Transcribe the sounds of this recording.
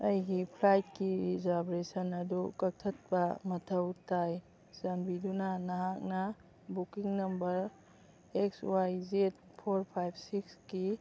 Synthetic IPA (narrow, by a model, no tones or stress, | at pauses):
ɐjɡipʰlajt̚kiɾizabɾesɐnɐdukɐk̚tʰɐt̚bɐmɐtʰɐwtaj | zanbidunanɐɦak̚nɐ | bukiŋnɐmbɐɾ | ekswajzet̚ | pʰoɾpʰajb̚ʰsikski